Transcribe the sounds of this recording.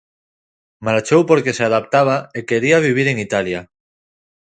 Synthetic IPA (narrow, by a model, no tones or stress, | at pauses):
maɾt͡ʃowpoɾkeseaðap̚t̪aβ̞aeke̞ɾiaβ̞iβ̞iɾeŋit̪alja